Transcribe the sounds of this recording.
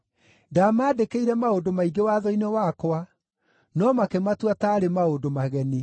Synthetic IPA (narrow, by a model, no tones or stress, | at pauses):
damaːdekeiɾɛmaodomaiɡewaðɔinewakwa | nɔmakematwataːɾemaodomaɣɛni